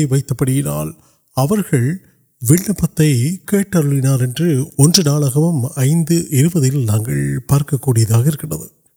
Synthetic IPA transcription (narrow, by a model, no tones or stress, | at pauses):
ɪʋɐɪt̪ːɐpːɐɽɪjɪna̰ːl | ɐʋɐɾɣɐɭ | ʋɪɭːɐpːɐt̪ːɐɪkeːʈːɐɾɯɭɪnaːɾɛndrɯɔndrɯnaːɭɐɣɐʋɯmɐɪnd̪ɯʔɪɾɯbɐðɪlnaːŋɡɐ̰ɭpaːɾkɐkːuːɽɪjɐðaːɣɐɪɾɯkːɪɳɖɐðɯ̰